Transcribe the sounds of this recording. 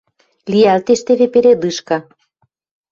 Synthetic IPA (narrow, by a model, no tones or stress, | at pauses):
lʲijælt̪eʃt̪eβepeɾed̪ɯʃkɑ